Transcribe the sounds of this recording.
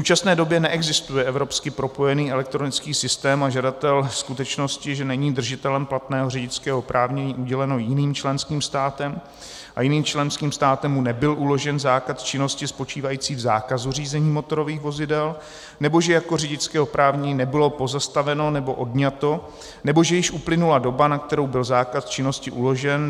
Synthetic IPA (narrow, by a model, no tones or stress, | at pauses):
uːt͡ʃasnɛːdo̞bjɛnɛʔɛɡzɪst̪ujɛʔɛvɾo̞pskɪpɾo̞po̞jɛniːɛlɛk̚t̪ɾo̞nɪt͡skiːsɪst̪ɛːmaʒadat̪ɛlskut̪ɛt͡ʃno̞scɪʒɛnɛɲiːd̪r̩ʒɪt̪ɛlɛmplat̪nɛːɦo̞rɪɟɪt͡skɛːɦo̞pɾʔaːvɲɛɲiːʔuɟɛlɛno̞jɪniːmt͡ʃlɛnskiːmst̪aːt̪ɛm | ʔajɪniːmt͡ʃlɛnskiːmst̪aːt̪ɛmːunɛbɪlʔulo̞ʒɛnzaːkat̪t͡ʃɪno̞scɪspo̞t͡ʃiːvajiːt͡siːvzaːkazur̝iːzɛɲiːmo̞t̪o̞ɾo̞viːxvo̞zɪdɛl | nɛbo̞ʒɛjako̞rɪɟɪt͡skɛːopɾaːvɲinɛbɪlo̞po̞zast̪avɛno̞nɛbo̞ʔo̞dɲat̪o̞ | nɛbo̞ʒɛjɪʃʔuplɪnulado̞banak̚t̪ɛɾo̞wbɪlzaːkat̪t͡ʃɪno̞scɪʔulo̞ʒɛn